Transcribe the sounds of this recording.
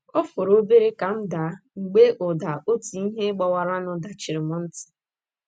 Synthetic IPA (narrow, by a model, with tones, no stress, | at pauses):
o˦fʊ˨ɾo˦be˦ɾe˦ka˨m̩˦da˨˦ŋ͡m̩˨ɡ͡be˦ʔʊ˨da˨ʔo˦ti˨i˦ɦe˦ɡ͡bɔ˨wa˨ɾa˦nʊ˨da˨t͡ʃɪ˨ɾɪ˨mɔ˦n̩˦tɪ̥˨